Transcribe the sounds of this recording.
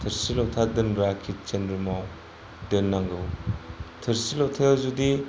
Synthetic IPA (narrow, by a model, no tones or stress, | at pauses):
tʰɐɾsilotʰadɯnɾakʰit̚t͡ʃenɯmaw | dɯnːaŋɡɯ | tʰɯɾsilotʰelzudi